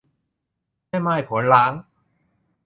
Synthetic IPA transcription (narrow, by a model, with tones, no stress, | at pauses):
a˥˩jmaː˥˩jpʰo˨˩˦nlaː˦˥ŋ